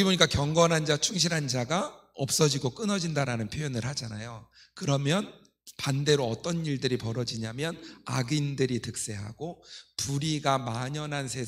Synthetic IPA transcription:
iboɲik͈akjʌŋɡʌnɦand͡ʑat͡ɕʰuŋɕ̬ʰiɾɦand͡ʑaɡaʌp̚s͈ʌd͡ʑiɡok͈ɯnʌd͡ʑindaɾanɯnpʰjojʌnɯɭɦad͡ʑana̰jo | kɯɾʌmjʌn | pande̞ɾoʌt͈ʌniɭdɯɾipʌɾʌd͡ʑiɲamjʌna̰ɡindɯɾitɯk̚s͈e̞ɦa̰ɡ̥opuɾiɡamaɲʌnɦansʰe̞

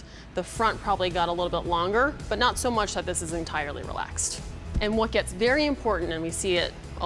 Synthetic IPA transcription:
ðɨfɹʌ̃npʰɹ̥ɑbəbliɡɑɾəlɪɾl̩ˠbɪtˡlɔ̃ŋɡə˞b̥ʌtⁿnətsoʊmʌt͡ʃðɨt̪̚ðɪsɨzɨ̃ntʰaɪə˞lˠḭɹḭlæ̰kstʔɨ̃nwʌt̚ɡ̥ɛtsvɛɹiɨ̃mpʰɔɹʔn̩tɨ̃nwisiɪɾ | ʔ

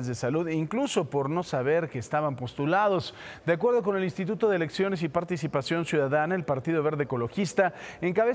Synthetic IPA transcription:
ezðesaluðiŋklusopo̞ɾno̞saβ̞e̞ɾke̞ːst̪aβampo̞st̪ulaðo̞zd̪eak̬we̞ɾðo̞k̬one̞linst̪it̪̬ut̪o̞ðele̞ksjo̞ne̞s̬ipaɾt̪isipasjo̞nsjuðaðanaelpaɾt̪ið̞o̞βe̞ɾðeːko̞lo̞xist̪aeŋkaβe

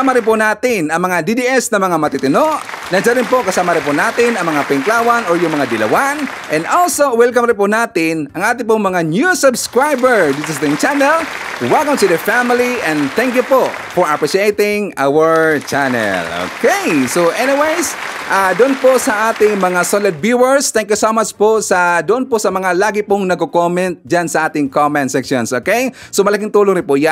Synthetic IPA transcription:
amɐɾɪnpʊnaːt̪ɪnɐŋmɐŋad̪id̪iɛsnɐmɐŋamɐt̪it̪ɪnoʔ | nɐd͡ʒaɾɪnpokɐsaːmɐɾɪnp̬ʊnaːt̪ɪnɐŋmɐŋapɪŋklaːwanɔɹjʊŋmɐŋad̪ɪlɐ̰wan | ʔɛ̃nd̪olsowɛlkɐmɾɪnpʊnaːt̪ɪnɐŋʔaːt̪̬ɪpʊŋmɐŋanjusʊbskɹajbɛɹd̪it̪ʊst̪ɪŋt͡ʃanɛlwɛlˠkɐ̃mt̪ʊd̪ɛfamɪliʔɛ̃nd̪θɛŋkjʊpoʔ | fɔɹɐpɹiʃejt̪ɪŋʔa̰wɐɹt͡ʃanɛ̰lo̰kejsoʔɛnɪwejs | ʔad̪ʊʔonposɐʔaːt̪ɪŋmɐŋasolɐd̪̚bjuwɛɹst̪ɛŋkjʊsomat͡ʃposɐd̪ʊʔonposɐmɐŋalaːɡɪpʊŋnɐɡkokomɛ̃nt̪̚d͡ʒansɐʔaːt̪ɪŋkomɛnt̪̚sɛkʃonsʔoːkejsomɐlɐkɪŋt̪uːloŋɾɪpʊja

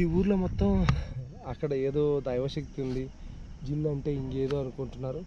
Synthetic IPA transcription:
iuːɾlomɔt̪ːɐm | ɐkːɐɽɐeːd̪o̞ːd̪ɐjɐʋɐʃɐkt̪und̪id͡ʒinːɐɳʈe̞ːiŋke̞ːd̪o̞ːɐnukuɳʈunːaːɾu

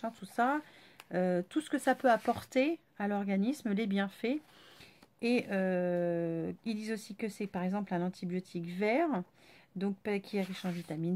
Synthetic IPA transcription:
ɑ̃t̪usa | øt̪usə̥kəsapøapɔʁt̪e | alɔʁɡanismlebjɛ̃fɛ | eø | ild̪izosikəsɛpaʁɛɡzɑ̃plɛ̃nɑ̃t̪ʰibjot̪ʰikvɛʁ | d̪ɔ̃k̚pkʲʰiaʁiʃɑ̃vit̪amin

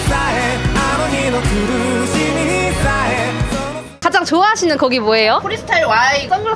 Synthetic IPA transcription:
saɦeamoɲinokuɾɯɕʰimiisaɦe | kad͡ʑaŋt͡ɕoaɦaɕʰinɯnkʌɡimoe̞jopʰoɾisʰɯ̥tʰaɭwaiɡʌnu

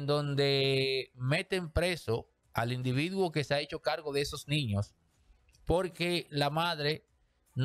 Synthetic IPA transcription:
nd̪o̞nd̪e̞me̞t̪e̞mpɾe̞so̞ | alind̪iβiðwo̞ke̞seae̞t͡ʃo̞kaɾɣo̞ð̞eeso̞snĩɲo̞s | po̞ɾke̞lamaðɾe̞ | n

